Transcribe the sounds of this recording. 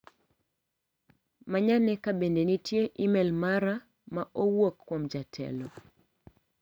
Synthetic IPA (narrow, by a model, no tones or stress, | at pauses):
maɲanɛkabendenitjeʔimɛlmaɾa | maʔowokːwomd͡ʒatʰɛ̰lɔ